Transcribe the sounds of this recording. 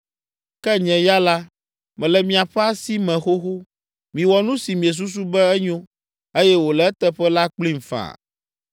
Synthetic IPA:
kɛ˦ɲɛ̃˨ja˦la˦ | mɛ̃˨lɛ˨mĩ˨a˨ɸɛ˦a˦si˦mɛ̃˨xo˦xo˦ | mĩ˨wɔ˨nũ˦si˨mĩ˨ɛ˨s̬u˦s̬u˦bɛ˦ɛ˦ɲõ˦ | e˦jɛ˦wo˨lɛ˨ɛ˦t̪ɛ˦ɸɛ˦la˦k͡pli˦m˨fã̰˨

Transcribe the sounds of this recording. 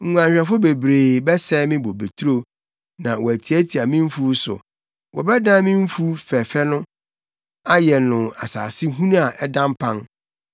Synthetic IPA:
ŋ̩˨ŋũ˨ã˨ɲɕᶣɾɛ˨fʊ˦be˨bɾeː˨bɛ˦sɛ˦mɪ̃˦bo˨be˨tʰu˦ɾo˦ | nã˨wɔ˨æ˨tʰi˨æ˦tʰi˨a˨mɪ̃˦m̩˦fu˦sʊ̰˨ | wʔɔ̰˨bɛ˦dã˦mɪ̃˦m̩˦fu˦fɛ˨fɛ˦nʊ̃˦ | a˦jɛ˨nʊ̃˨a̰˨sa̰ː˨sɪ˦ɦũ˦nũ˦a˨ʔɛ˦dã˦m˦pʰã˦n

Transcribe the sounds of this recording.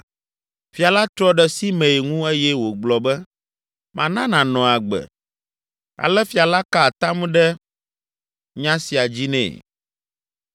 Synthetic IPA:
fi˨a˨la˦t̪ɾɔ˦ɖɛ˨si˦mɛ̃˨i˨ŋũ˦e˦jɛ˦wo˨ɡ͡blɔ˨bɛ˦ | mã˨nã˦nã˨nɔ̃˨a˨ɡ͡bɛ̰˨ | a̰˨lɛ˦fi˨a˨la˦ka˦˨t̪a˦m˦ɖɛ˦ | ɲã˦si˨a˨d͡ʑi˦nɛ̰̃˨

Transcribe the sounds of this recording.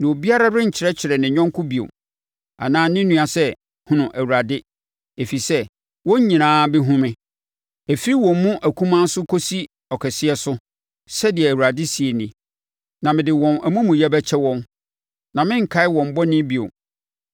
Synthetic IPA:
nã˨o˨bi˦a˦ɾa˦dɪ̃˦ɲ̩˨t͡ɕʰɪ˨ɾɛ˦t͡ɕʰɪ˨ɾɛ˨nɪ̃˨ɲᶣɔ̃˦ŋ˦kʰʊ˦bi˨o̰˨ | a̰˨nãː˦nɪ̃˦nũ˦a˨sɛ˦ | hʊ̃˨nʊ̃˨ʔæ˨wu˨ɾa˨dɪ˦ | e˨fi˨sɛ˦ | wɔ̃˦ɲ˦ɲĩ˨nãː˦bɪ˦ɦũ˦mɪ̃˦ | e˨fi˦i˦wɔ̃˨mː˦ũ˦ʔæ˨kʰũ˦mã˦n˦sʊ˦kʰo˦si˦ | ɔ˨kʰɛ˨sɪ˦ɛ˦sʊ˦ | sɛ˦dɪ˨ɛ˨æ˨wu˨ɾa˨dɪ˦si˨e˨nĩ˨ | nã˨mɪ̃˨dɪ˨wɔ̃˨næ˨mũ˦mũ˨jɛ˦bɛ˦t͡ɕʰɛ˦wɔ̃˦n | nã˨mɪ̃˦ŋ̩˨kʰa˦ɪ˦wɔ̃˨m̩˦bɔ˦nɪ̃˦bi˨o̰˨

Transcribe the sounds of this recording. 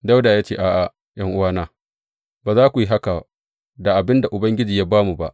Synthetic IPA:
dɐ˦wdaː˨jaː˦t͡ʃeː˦˨ʔaː˨ʔa˨ | jɐ˦ŋʔʊ˦waː˦naː˦˨ | baː˨zaː˦kʷu˨ji˦ɦa˦ka˨ | da˨ʔa˨bɪ˦nda˨ʔʊ˨bɐ˦ŋɡʲɪ˦d͡ʒiː˨jaː˦baː˦mu˨ba̰˦˨ʔ

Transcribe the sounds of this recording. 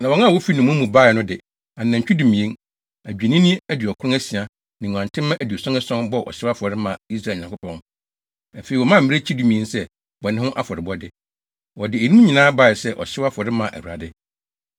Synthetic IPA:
nã˨wɔ̃˨˦nã˦˨wɔ˦fi˦nũ˨mũ˦mũ˨baː˦ɪ˨nʊ̃˦dɪ˨ | ã˨nːã˨ɲ̩˨t͡ɕᶣi˦du˨mĩ˨ẽ˦n | æ˨d͡ʑᶣe˨nĩ˦nĩ˦æ˦di˨ɔ˨kʰʊ˦ɾʊ̃˦æ˦si˨a˨ | nɪ̃˨ŋ̃˨ã˨ntʰɪ̃˦mã˦ʔæ˨di˨ɔ˨sɔ̃˦nɛ˦sɔ̃˦nbɔ˦ʔɔ̰˨ɕɪ˦a˦fɔ˨ɾɪ˦mã˨i˦s̬ɾa˦˨ɲ˨ã˨kʰʷʊ˦pʰɔ̃˦n | a˨fe˨ɾi˨wɔ˨mã˦m̩˨mĩ˦e˦t͡ɕʰi˦dũ˨mĩ˨ẽ˦nsɛ˦ | wɔ˨nɪ̃˦hʊ̃˦ʔa˦fɔ˨ɾɪ˨bɔ˦dɪ˦ | wɔ˨dɪ˨æ˨nũ˦m˦ɲĩ˨nãː˦ba˦˨ɪ˨sɛ˦ʔɔ̰˨ɕɪ˦wa˦fɔ˨ɾɪ˦mã˨ʔæ̰˨hɾa̰˨dɪ˦

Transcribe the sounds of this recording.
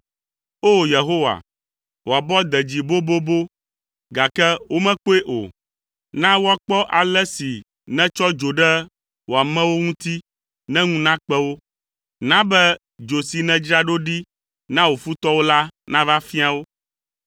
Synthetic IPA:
o˦je˨ɦo˦wa̰˨ | wo˨a˨bɔ˦d̪ɛ˨d͡ʑi˨bo˦bo˦bo˦ | ɡa˨kɛ˦wo˦mɛ̃˦k͡po˦e˦ʔo̰˨ | nã˦wo˦a˨k͡pɔ˦ʔa˨lɛ˦si˨ | nɛ̃˦t͡ʃɔ˦d͡ʒo˨ɖɛ˦ | wo˨a˨mɛ̃˦wo˦ŋũ˦t̪i˦ | nɛ̃˦ŋũ˦nã˦k͡pɛ˦wo˦ | nã˦bɛ˦ | d͡ʒo˨si˨nɛ̃˨d͡ʒɾa˦ɖo˦ɖi˦ | nã˦wo˨fu˦t̪ɔ˦wo˦la˦nã˦va˦fi˦a˦wo˦

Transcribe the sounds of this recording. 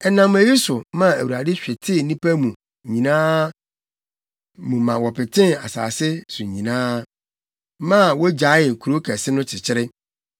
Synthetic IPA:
ɛ˨nã˨mæ˨ji˦sʊ˨mã˦æ˨wu˨a˨dɪ˦ɕᶣɛ˨tʰɪ˦˨˦nĩ˦pæ˦mũ˨ | ɲĩ˨nãː˦ | mũ˨mã˨wɔ˨pɪ˨tʰɪ̃˦na̰˨sa̰ː˨sɪ˦sʊ˨ɲĩ˨nãː˦ | mã˦˨wɔ˦d͡ʑa˨˦jɪ˨ŋ̩˨kʰu˨ɾo˦kʰɛ˨sɪ˦nʊ̃˦t͡ɕʰɪ˨t͡ɕʰɪ˦ɾɪ˦

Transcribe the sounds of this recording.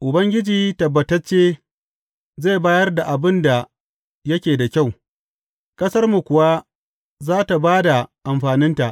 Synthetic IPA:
ʔʊ˨bɐ˦ŋɡʲɪ˦d͡ʒiː˦tɐ˨bːɐ˨tɐ˦t͡ʃːeː˦ | za˦˨baː˦jɐ˦rda˨ʔa˨bɪ˦nda˨ | jɐ˦kʲeː˨da˨kʲa˦˨w | kʼɐ˦sɐ˦rmu˨kʷʊ˨wa˦ | zaː˦ta˨baː˦da˨ʔa˨mɸaː˨nɪ˦nta˨ʔ

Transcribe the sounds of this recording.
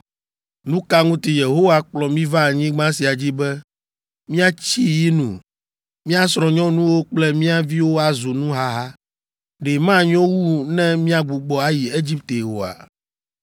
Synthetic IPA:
nũ˦ka˦ŋũ˦t̪i˨je˨ɦo˦wa˦k͡plɔ˨mĩ˦va˦˨ɲĩ˦ɡ͡bã˦si˨a˨d͡ʑi˦bɛ˦ | mĩ˦a˦t͡ɕi˦ji˦nṵ̃˨ | mĩ˦a˦sɾɔ̃˨ɲɔ̃˦nũ˦wo˦k͡plɛ˦mĩ˦a˦vi˦wo˦a˨zo˨nũ˦ɦa˦ɦa˦ | ɖe˨mã˦˨ɲɔ̃˦wu˦nɛ̃˦mĩ˦a˦ɡ͡bu˨ɡ͡bɔ˨a˦ji˨e˦d͡ʑi˦p̚t̪e˨wo˨a̰˨

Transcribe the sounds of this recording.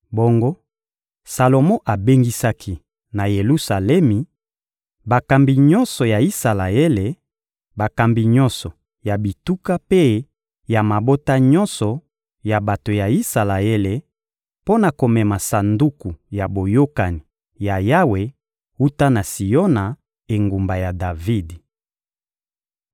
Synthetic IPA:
bo˦ŋɡo˦ | sa˨lo˨mɔ˦ʔa˨be˦ŋɡi˦sa˦kʰi˦ | na˨je˨lu˦sa˨lɛ˦mi˨ | ba˨ka˨mbi˨ɲɔ˦nsɔ˨ja˨i˦sa˨la˨e˦le˨ | ba˨ka˨mbi˨ɲɔ̃˦nsɔ˨ | ja˨bi˨tu˦ka˦pe˦ | ja˨ma˨bo˦ta˦ɲɔ̃˦nsɔ˨ | ja˨ba˨to˨ja˨i˦sa˨la˨e˦le˨ | po˦na˨ko˨mɛ˨ma˨sa˨ndu˦ku˨ja˨bo˨jo˦ka˨ni˨ | ja˨ja˦we˨ | u˦ta˦na˨si˨jɔ˦na˨ | e˨ŋɡu˨mba˨ja˨da˨vi˦d

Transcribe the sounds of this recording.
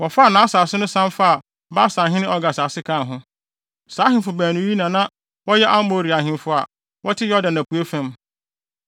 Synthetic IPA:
wɔ˨fa˦˨nã˨˦saː˨sɪ˦nʊ̃˦sã˦mfa˦a˨ | ba˦sã˨ɦɪ̃˦nɪ̃˦ɔ˦ɡa˨sa˨sɪ˦kʰã˦˨ɦʊ̃˦ | saː˨˦ɦɪ̃˨fʊ˨bæː˨nũ˨˦ji˦nã˨nã˦ | wɔ˦jɛ˦ʔa˦m˦bo˨ɾi˨a˨ɦɪ̃˨mfʊ˨a̰˨ | wʔɔ˦tʰɪ˦jɔ˦dã˨næ̃˨pu˨e˦fɛ̃˦m

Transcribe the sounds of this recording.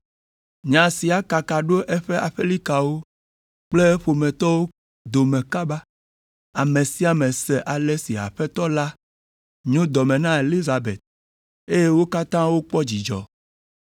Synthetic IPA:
ɲã˨si˨a˨ka˨ka˨ɖo˦ʔɛ˦ɸe˦a˨ɸe˦li˦ka˨wo˦ | k͡ple˦ɸo˨mɛ̃˨t̪ɔ˦wo˦ | d̪o˨mɛ̃˨ka˦ba˦ | a˨mẽ˨si˦a˨mɛ̃˨sɛ˨ʔa˨le˦si˨a̰˨ɸɛ˦t̪ɔ˦la˦ | ɲũ˦d̪ɔ˨mɛ̃˨nã˦e˨li˦za˨bḛ˨t̪̚ | e˦je˦wo˦ka˦t̪ã˦wo˦k͡pɔ˦d͡ʑi˨d͡ʒɔ̰˨

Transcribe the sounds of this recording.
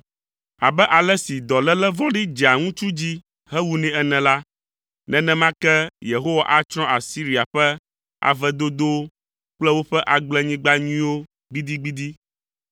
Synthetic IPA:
a˨bɛ˦ʔa˨lɛ˦si˨d̪ɔ˨lɛ˦lɛ˦vɔ̃˦ɖi˦d͡ʒi˨a˨ŋũ˦t͡ʃu˦d͡ʑi˦ | hɛ˦wu˦nɛ̃˦ɛ˦nɛ̃˨la˦ | nɛ̃˦nɛ̃˦mã˦kɛ˦je˨ɦo˦wa˨ʔa˦t͡ʃɾ̃ɔ̃˦ʔa˨si˦ɾi˨a˨ɸɛ˦ | a̰˨vɛ˦d̪o˦d̪o˦ | k͡plɛ˦wo˦ɸɛ˦ʔa˨ɡ͡blɛ˦ɲĩ˦ɡ͡ba˦ɲĩ˦wo˦ | ɡ͡bi˦d̪i˦ɡ͡bi˦d̪i˦

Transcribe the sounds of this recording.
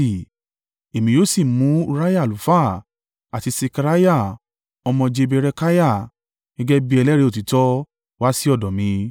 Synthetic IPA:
i˨ | e˨mĩ˨˧joː˦si˦˨mũ˨˦u˧ɾa˦ja˦˨lu˨˦fa˦˨ | a˨ti˨˧se˧ka˧ɾa˦ja˦˨ | ɔ˧mɔ̃˧d͡ʒe˧be˧ɾɛ˧ka˦ja˦˨ | ɡ̥ɛ˦ɡɛ˦bi˦ɛ˧lɛ˦ɾe˧o˦˨t̬i˨tɔ˦ | wa˦si˦ɔ˦˨dɔ˨mĩ˨˧˦

